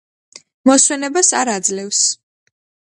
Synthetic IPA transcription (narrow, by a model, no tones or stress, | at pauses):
mɔswɛnɛbasaɾad̪zlɛfs